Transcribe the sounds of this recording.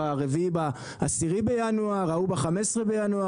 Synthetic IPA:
aʁeviba | asiʁibe̞januaʁaubeχamesʁebejanua

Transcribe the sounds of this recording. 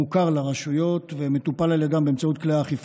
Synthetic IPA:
ukaʁlaʁaʃujo̞t̪vemet̪upalaleɡambeemt͡saut̪kleaːχif

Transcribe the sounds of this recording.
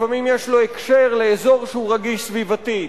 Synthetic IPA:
famimjeʃlo̞ekʃeʁleezo̞ʁʃeuʁaɡiʃsvivat̪i

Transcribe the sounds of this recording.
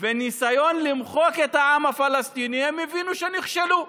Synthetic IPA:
venisajo̞nlimχo̞ket̪haamhafalast̪inihemevinuʃeniχʃelu

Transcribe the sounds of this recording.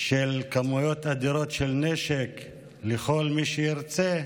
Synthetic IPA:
ʃelkamujot̪ad̪iɾo̞t̪ʃelneʃek | leχo̞lmiʃejiɾt͡se

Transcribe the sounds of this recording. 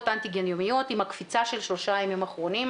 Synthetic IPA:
t̪ʔant̪iɡenjomijot̪imhakfit͡saʃe̞lʃlo̞ʃajamimaχʁo̞nim

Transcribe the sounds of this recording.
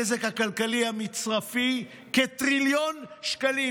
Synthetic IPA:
ezekhakalkalihamit͡sʁafi | ket̪ʁiljonʃkali

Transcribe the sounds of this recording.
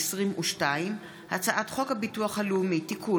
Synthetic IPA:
sʁimʔuʃtaim | hat͡saʔatχo̞khabituaχhaleumitikʰu

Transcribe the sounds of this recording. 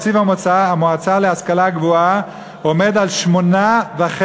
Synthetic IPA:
t͡sivamot͡saamoat͡saleaskalaɡvoa | ome̞d̪alʃmo̞naveaχe

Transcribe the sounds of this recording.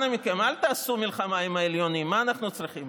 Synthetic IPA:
namikemalt̪aːsumilχamaimhaeljo̞nimːaːnaχnut͡sʁiχim

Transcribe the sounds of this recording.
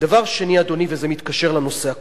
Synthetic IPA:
d̪̥avaʁʃe̞niad̪o̞nivezemit̪kaʃe̞ʁlano̞se̞a

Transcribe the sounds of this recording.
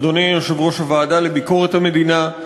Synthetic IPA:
d̪o̞nijoʃevʁo̞ʃavaːd̪alebiko̞ʁet̪hame̞d̪ina

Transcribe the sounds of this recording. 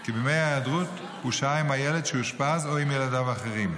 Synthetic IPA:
kibemejaad̪ʁut̪ | uʃaimhajeled̪ʃeuʃpazoimjeladavaχeʁim

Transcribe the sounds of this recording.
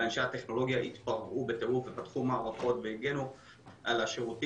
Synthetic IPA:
anʃaateχno̞lo̞ɡjaʔit̪paʁvube̞t̪eʁufvepat̪χumaːʁaχo̞t̪veiɡenu | ʔalaʃeʁuti

